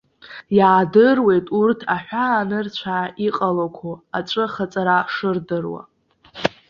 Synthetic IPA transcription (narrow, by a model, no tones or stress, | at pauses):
jaːdɨrwe̞jtʼurtʰaħʷᶣaːnɨrt͡ɕʷʰaʔiqʼalakʷʰoat͡ʃʷʼɨχat͡sʼaɾaʂɨrdɨrwa̰